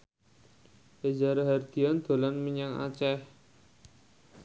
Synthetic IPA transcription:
ed͡ʒaɾaɦard̪̥i̤and̪̥o̤lanməɲaŋa̰t͡ʃɛh

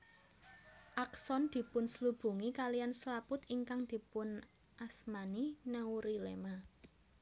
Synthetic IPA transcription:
ʔaksɔnd̪̥i̤pʊnslub̥ṳŋikalijanslapʊt̪iŋkaŋd̪̥i̤pʊn | ʔasmaninauɾilema

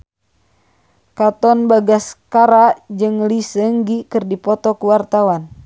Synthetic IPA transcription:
kat̪ɔnbaɡaskaɾaʔd͡ʒɨŋlisəŋɡikɨrdipɔt̪ɔkuwart̪awan

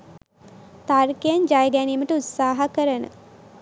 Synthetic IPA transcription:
t̪arkejəɲd͡ʒajəɡæniːməʈəut̪saːɦɐkəɾənə̰

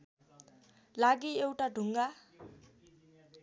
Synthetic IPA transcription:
laɡiewʈaɖʱuŋɡa

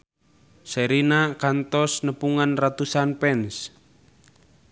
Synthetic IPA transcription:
səɾinakant̪ɔsnəpuŋanrat̪usanpɛns

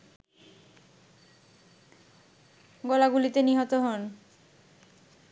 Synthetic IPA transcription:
ɡɔlaɡulit̪eniɦot̪oɦɔn

